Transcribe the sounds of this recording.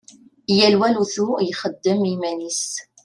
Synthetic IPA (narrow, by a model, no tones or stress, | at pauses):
jælwæluθujχəd̪ːəmimænis